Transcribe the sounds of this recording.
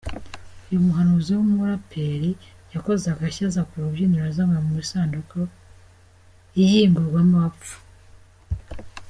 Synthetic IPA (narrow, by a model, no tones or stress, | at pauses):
ujumuɦanuziwumuɾapʰeɾi | jako̞zakaçazakuɾuβjiniɾazamamumisaːnduko | ijiːmbuɾɡwamuap͡ffu̥